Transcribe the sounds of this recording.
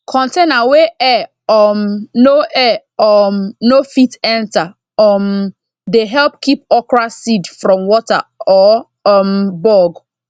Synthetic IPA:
kʰɔ̃ntenaweʔɛ | ɔmnoʔɛ | ɔmnofitɛ̃nta | ɔm | deɦɛlpkip̚ɔkɹasidfɾɔ̃mwɔta̰ɔ | ɔmbɔɡ

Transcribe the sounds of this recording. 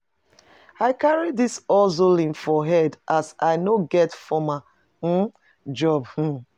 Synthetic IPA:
aɪkaɹidisɔzolĩnfɔɦɛdʔasaɪnoɡɛtfɔma | d͡ʒɔb̩

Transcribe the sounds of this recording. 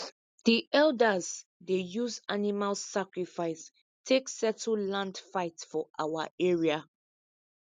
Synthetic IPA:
ðiʔɛldəzdejuzanimalsakɹifaɪs | tʰeksɛtəl̩lãndfaɪtsfɔʔawaʔɛɹia

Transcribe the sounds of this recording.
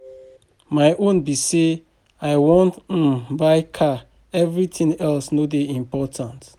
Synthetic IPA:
majʔõnbise | aɪwɔ̃nt̩baɪkʰa | ɛvɹitĩnɛlsnodeĩmpɔtʰãnt

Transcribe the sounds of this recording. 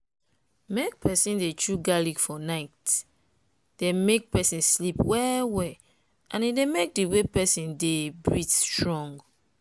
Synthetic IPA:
mek̚pʰɛsĩndet͡ʃuɡaliɡfɔnaɪt | demek̚pɛsĩnslipwɛwɛ | ʔãnidemek̚diwepɛsĩndebɹitstɹɔ̃ŋɡ

